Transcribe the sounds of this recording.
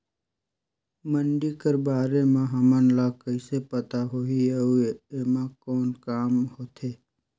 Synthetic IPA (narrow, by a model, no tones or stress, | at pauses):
məɳɖikəɾbaːɾemãɦəmənlakəɪsepət̪aɦoieuemãkɔːnkaːmhoːt̪ʰeː